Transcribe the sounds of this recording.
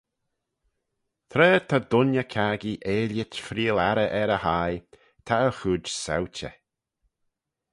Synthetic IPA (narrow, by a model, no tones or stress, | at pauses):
t̪ʰɾɛːt̪ʰad̪ʊnjəkʰaɡiʔeːljɪtfɾiːlaɾəʔɛɾəhaj | t̪ʰaəxuːd͡ʒsa̰wt͡ʃə̰